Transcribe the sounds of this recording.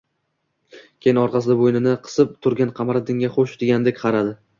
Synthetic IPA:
kʲʰejɪnɒɾqɑsɪd̪abojnɪnɪqʰɨ̥sɪp̚t̪ʰʊɾɡʲanqʰɑmaɾad̪ɪŋʲaχoʃd̪eɡʲanɪd̪ekʲqʰɑɾad̪ɪ

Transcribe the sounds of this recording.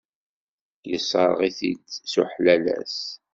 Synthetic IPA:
jəsˤəɾʁiθidsuħlælæ̰s

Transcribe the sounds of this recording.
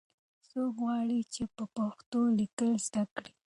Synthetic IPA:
sokɣwɑɽit͡ʃepəpaxt̪olikəlzd̪akɽi

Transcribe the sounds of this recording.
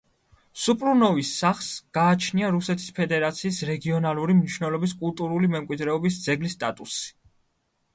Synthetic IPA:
supʼɾunɔvisːaχsɡ̥aːt͡ʃʰniaɾusɛt̪ʰi̥spʰɛd̪ɛɾat̪sʰiːsɾɛɡiɔnalˠuɾimniʃwnɛlˠɔbiskʼulˠt̪ʼuɾulimɛmkʼwid̪ɾɛɔbisd̪zɛɡlist̪ʼat̪ʼusi̥

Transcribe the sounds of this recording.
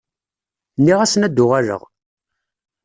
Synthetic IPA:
nːiʁæsənæd̪ːʊʁaɾə̰ʁ

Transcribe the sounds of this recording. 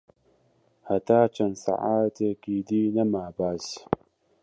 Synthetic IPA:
hataːt͡ʃənsa̰ʔatəkidinamabas

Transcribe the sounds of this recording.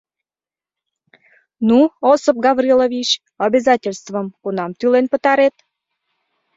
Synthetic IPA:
nuosəp̚ɡɑβrʲilovʲit͡ɕ | ɑbʲezɑtʲelʲst̪vəmkunɑmt̪ylenpət̪ɑɾet̪

